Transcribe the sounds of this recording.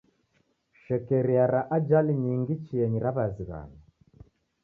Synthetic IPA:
ʃɛkɛɾiaɾaʔad͡ʒaliɲiŋɡit͡ʃiɛɲiɾaβaziɣa̰na

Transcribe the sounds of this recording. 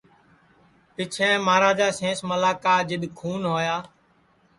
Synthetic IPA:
pɪt͡ʃʰɛ̃ːmaːɾaːd͡ʒaːsẽːsməlaːkaːd͡ʒɪɗ̪kʰuːnɦoːjaː

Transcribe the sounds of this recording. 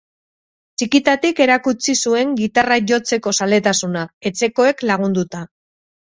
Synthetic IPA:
t͡ʃikit̪at̪ike̞ɾakut͡sisue̞ŋɡit̪araʝo̞t͡se̞ko̞sale̞t̪asunae̞t͡se̞ko̞e̞klaɣ̞und̪ut̪a

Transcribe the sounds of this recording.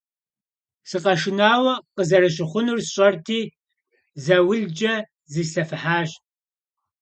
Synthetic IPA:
sɨqɐʃɪnaːwɐqəzɐɾɨɕ̬ɪχʷʊnursɕʼɐrtʰiː | zɐwʊɮd͡ʒɐ | ziːɬɐfɨħaːɕ

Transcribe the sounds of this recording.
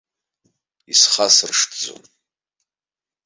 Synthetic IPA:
isχasɨrʂtʰd͡zo̰n

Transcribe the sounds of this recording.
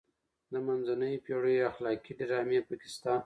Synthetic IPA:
d̪əmanzanəjpjoɽəjaxlɑkiɖɪɾɑmepəkɪ̥st̪ɑn

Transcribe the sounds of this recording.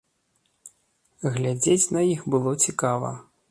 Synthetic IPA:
ɣlʲad͡zʲet͡sʲnɐjixbɨlˠɔt͡sʲikavɐ̰

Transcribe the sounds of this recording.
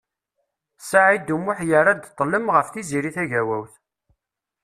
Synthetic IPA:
saʕid̪umːʊħjəɾˤad̪t̪ˤːləmʁəfθiziɾiθæʝæwæwθ

